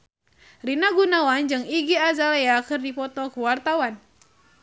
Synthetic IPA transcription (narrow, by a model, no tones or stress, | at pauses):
rinaɡunawand͡ʒɨŋiɡiazaleakɨrdipɔt̪ɔkuwart̪awan